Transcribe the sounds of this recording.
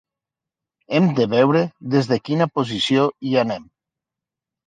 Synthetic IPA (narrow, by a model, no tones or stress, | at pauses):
emd̪eβɛwɾeðezðekinapozisjoianem